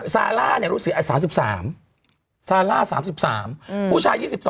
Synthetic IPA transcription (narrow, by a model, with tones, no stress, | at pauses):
sa̰ː˧laː˥˩ni˧˩ɐɾuː˦˥sɯ˨˩k̚ʔa˧˩saː˩˦ms̬i˨˩p̚saː˩˦m | saː˧laː˥˩saː˩˦msi˨˩p̚saː˩˦mʰuː˥˩t͡ɕʰaː˧jiː˥˩si˨˩p̚sɔː˨˦